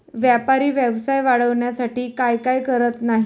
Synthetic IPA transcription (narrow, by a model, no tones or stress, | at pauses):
ʋjapaɾiːʋjɛʋsajʋaɽəʋɳjasaʈiːkajkajkəɾət̪naɦi